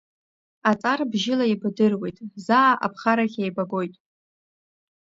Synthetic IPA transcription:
at͡sʼarbʒɪlaibdɨrwejtʼzaːʔa̰pʰχaɾaχʲejbaɡo̞jtʼ

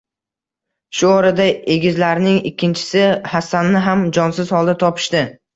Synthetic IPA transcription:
ʃʊɒɾad̪aeɡʲɪzlaɾnɪŋɪkʲʰːɪnt͡ʃʰɪ̥sɪhasanːɪɦamd͡ʒɒnsɪz̥hɒlˠd̪at̪ʰɒpʰɪ̥ʃt̪ɪ

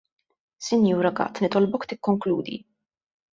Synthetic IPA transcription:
sɪnjuːɾɐɡɐ̰t̪ːnɪt̪ɔlbɔkt̪ɪkːɔŋkluːd̪ḭ

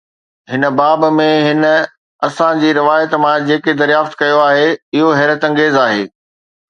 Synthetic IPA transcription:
ɦɪnə̆baːbmẽɦɪnə̆ | ɐsãd͡ʑiːɾɪʋaːjət̪mãd͡ʑeːked̪ɐɾjaːft̪kɐjoaːɦeɪɦoɦɛːɾət̪ɐ̃ŋɡeːzaːɦḛː

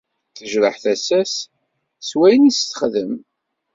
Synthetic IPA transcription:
θəʒɾəħθæsæs | swæjnisθə̥χðəm

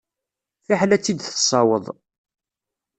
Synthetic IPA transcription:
θaħlæt͡sːid̪θə̥sˤɑwə̰ðˤ

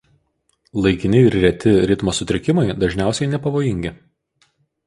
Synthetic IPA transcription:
lˠɐɪkʲɪnʲɪɪɾɾʲɛt̪ʲɪɾʲɪt̪moːsʊt̪ʲɾʲɪkʲɪmɐɪd̪ɐʒʲnʲæˑʊsʲɛɪnʲɛpɐʋoːjɪŋʲɡʲɪ

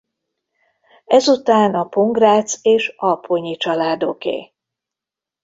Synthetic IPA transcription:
ɛzut̪aːnɒpo̞ŋɡraːt̪seːʃɒlpʰoɲit͡ʃɒlaːd̪okḛː

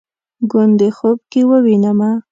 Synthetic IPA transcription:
ɡʊnd̪exob̚kewəwinama

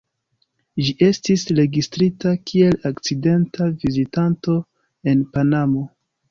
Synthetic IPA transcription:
d͡ʒiʔe̞stisɾe̞ɡistɾitakʰie̞lakt͡side̞ntavizitanto̞ | e̞npanamo̞

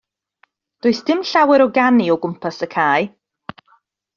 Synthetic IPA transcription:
d̥ʊːɨsd̥ɪmɬawɛɾɔɡaniɔɡʊmpʰasəkʰaːj

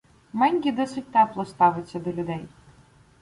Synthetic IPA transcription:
mɛnʲɡʲid̪ɔsɨt̚ʲt̪ɛplˠɔst̪ɑʋɪt͡sʲːɐd̪ɔlʲʊd̪ɛj

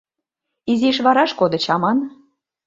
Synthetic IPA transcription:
iziʃβɑɾɑʃkod̪ə̆t͡ɕɑmɑn

